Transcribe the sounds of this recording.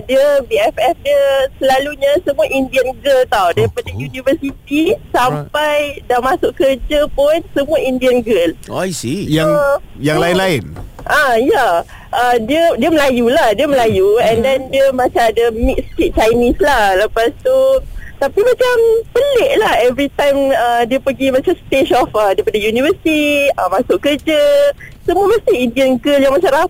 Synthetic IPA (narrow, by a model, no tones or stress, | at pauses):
diəbiɛfɛfdiəsəlaluɲə̃səmũaʔindiənɡəlt̪awdaɾipadajunivəsit̪̚isampajdamasʊʔkəd͡ʒəpʊnsəmũaindiənɡəloisijaŋjaŋlaɪnlaɪn | ʔaja | ʔədiədiəməlajulahdiəməlajuɛ̃ndɛndiəmãt͡ʃamadəmik̚skit̪̚t͡ʃajnĩslahləpast̪ut̪apimãt͡ʃampəleʔlahɛvɾit̪ãjmədiəpəɡimãt͡ʃamst̪eʃɔfədajpadəjunivəsi̥t̪iəmãsʊʔkəd͡ʒəsəmuəməst̪iindiənɡəljaŋmat͡ʃaɾa